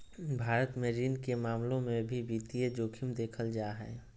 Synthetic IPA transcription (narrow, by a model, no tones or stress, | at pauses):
bʱaːɾət̪meɾiːnkemaːmlõmẽbʱibiːt̪ied͡ʒoːkʰimd̪eːkʰəld͡ʒaːɦɛ